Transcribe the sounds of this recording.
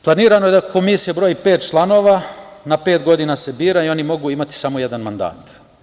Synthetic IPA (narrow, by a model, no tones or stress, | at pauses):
plˠaniːɾano̞je̞d̪ako̞misijebɾo̞ːjipe̞ːt̪̚t͡ʃlˠano̞ːʋanapeːt̪ɡo̞d̪inase̞biːɾaio̞nimo̞ɡuimat̪i̥samo̞jed̪anmand̪a̰ːt̪